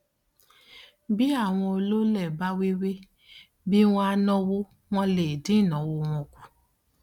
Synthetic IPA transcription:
bi˦a˦˨w̃ɔ̃˧o˧lo˦lɛ˦˨ba˦we˦we˦ | bi˦w̃ɔ̃˦a˧nɔ̃˧wo˦ | w̃ɔ̃˧le˨dĩ˨˦˨nɔ̃˨˦wo˧w̃ɔ̃˧kʷu˨

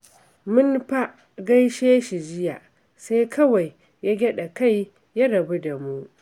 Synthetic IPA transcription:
mʊ˦nɸa˦ʔ | ɡa˦jʃeː˦ʃi˨d͡ʒɪ˦ja˨ʔ | sa˦jkʰɐ˦wa˨jː | a˦ɡʲɐ˦ɗa˨ka˦˨j | ja˦ɽɐ˨bu˦da˨mu˦ʔ

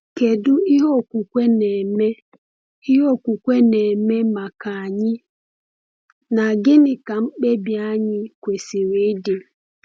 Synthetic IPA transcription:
ke˨dʊ˦i˦ɦo˦˨kʷu˨kʷe˦ne˨me˦ | i˦ɦo˦˨kʷu˨kʷe˦ne˨me˦ma˨ka˨a˨ɲɪ˦ | na˨ɡɪ˦nɪ˨ka˨ŋ͡m̩˦k͡pe˦bja˦ɲɪ˦kʷe˨si˨ɾe˨˦dɪ˨

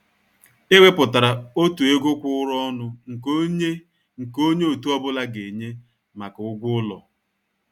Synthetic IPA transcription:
e˦wʷe˦pʊ˨ta˨ɾa˨o˦tu˨e˦ɡʊ˦kʷʊ˦ʊ˦ɾɔ˦nʊ˦ŋ̩˨ko˦ɲe˦ | ŋ̩˨ko˦ɲe˦o˨tu˦ɔ˦bʊ˦la˦ɡe˨ɲe˦ | ma˨kʊ˦ɡʷʊ˦ʊ˦lɔ̰˨

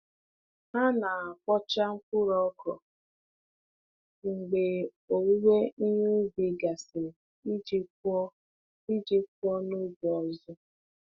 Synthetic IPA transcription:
na˦na˨a˨kʷɔ˦t͡ʃa˦ŋ͡m̩˦kʊ˦ɾɔ˦kɔ̰˨ | ŋ͡m̩˨ɡ͡be˨ | o˨wu˦we˦i˦ɲu˦bi˨ɡa˨sɪ˨˦ | d͡ʒi˦ɔ˦ | i˦d͡ʒi˦kʷɔ˦nu˦bɔ˨zʊ˦

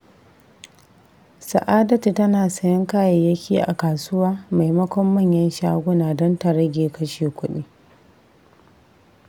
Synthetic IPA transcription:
sɐ˨ʔaː˦dɐ˦tu˨tɐ˦naː˨sɐ˦jɪ˦ŋkaː˦ja˨jɐ˦kʲiː˦ʔa̰˨kaː˨sʊ˦waː˦ma˨jmɐ˦kʷɔ˦mːɐ˦˨ɲjɐ˦nʃaː˦ɡʷʊ˦naː˨dɔ˦nta˨ɾɐ˦ɡʲeː˨kɐ˦ʃeː˨kʷʊ˦ɗiː˦

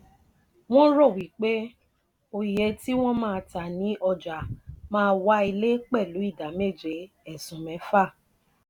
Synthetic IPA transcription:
w̃ɔ̃˦ɾo˦˨wi˨˦k͡pe˦ | o˧i˨je˧˦ti˦w̃ɔ̃˦mãː˦˧ta˨nĩ˨˦ʔɔ˧d͡ʒa˨mãː˦˧wa˦i˧le˦k͡pɛ˦˨lu˨˦i˦˨da˨˦me˦˨d͡ʒe˨˦ | ɛ˦˨sũ˨mɛ̃˨˦fa˦˨

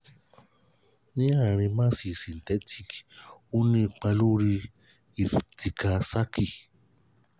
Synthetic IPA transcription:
nĩ˦a˦˨ɾ̃ĩ˧mãː˦si˧˨sĩ˨n˨tɛ˨˦tʰi˦˨ku˦nĩ˦˧˨k͡pa˧lu˦ɾi˧ | i˨fti˨ka˧sa˦kʰi˨

